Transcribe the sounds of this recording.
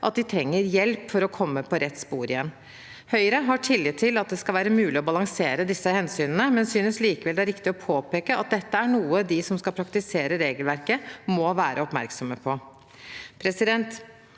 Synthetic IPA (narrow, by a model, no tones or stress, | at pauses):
ʔɑ̰t̪̚d̪ɪt̪ʰɾɛŋːəɾjɛlpfɔɾɔkʰɔmːəpʰɔɾɛt̪ːspuːɾɪjɛnː | hœʏɾəɦɑʈʰɪlːɪt̪ʰɪlɑt̪̚d̪ɛskɑʋæːɾəmʉːlɪɔbɑlɑŋseːɾəd̪ɪsːəhɛnsyːnənəmɛnsyːnəsliːkəʋɛld̪ɛæɾɪkt̪ɪɔpʰoːpeːkəɑt̪̚d̪ɛt̪ːəæɳuːəd̪ɪsɔmskɑlpʰɾɑkt̪ɪseːɾəɾeːɡəlʋæɾkəmɔʋæːɾəɔpmæ̰ɾksɔməpʰɔ | pʰɾɛsɪd̪ɛnt̪